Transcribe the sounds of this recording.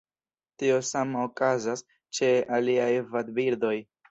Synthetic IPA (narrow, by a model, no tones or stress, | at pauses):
tio̞samokazas | t͡ʃe̞aliajvadbiɾdo̞j